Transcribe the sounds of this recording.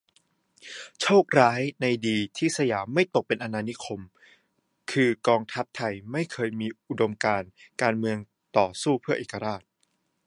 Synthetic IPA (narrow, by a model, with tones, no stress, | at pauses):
t͡ɕʰoː˥˩k̚ɾaː˦˥jna˧jdiː˧t̪ʰiː˥˩sa˧jaː˩˦mːa˥˩jt̪o˨˩k̚pe˧nʔa˧naː˧ni˦˥kʰo˧m | kʰɯː˧kɔː˧ŋt̪ʰa˦˥p̚t̪ʰa˧jma˥˩jkʰɤː˧jmiː˧ʔu˨˩do˧mkaː˧nkaː˧nmɯ˧əŋ | t̪ɔː˨˩suː˥˩pʰɯ˥ɐʔeː˨˩ka˧ɾaː˥˩t̪̚